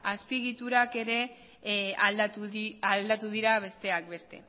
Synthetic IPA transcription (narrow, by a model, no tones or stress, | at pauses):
aspiɣit̪uɾake̞ɾe̞ | ald̪at̪uald̪at̪uðiɾaβ̞e̞st̪e̞ak̚be̞st̪e̞̰